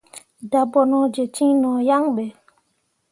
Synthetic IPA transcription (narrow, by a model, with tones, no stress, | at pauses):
da˨bɔ˨nɔ̃˨d͡ʒe˨t͡ʃĩ˦nɔ̃˨ja˦ŋɓɛ˨